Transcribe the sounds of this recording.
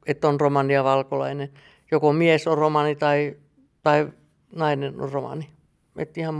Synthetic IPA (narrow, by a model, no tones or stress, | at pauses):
et̪ːonromɑniɑʋɑlkolɑ̰inen | jokomiesoromɑnit̪ɑi | t̪ɑi | nɑineno̰romɑ̰ni | ḛt̪ːihɑm